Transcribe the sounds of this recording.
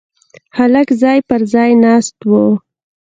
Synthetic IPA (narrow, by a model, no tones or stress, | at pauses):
halakzɑjpəɾzɑjnɑst̪wo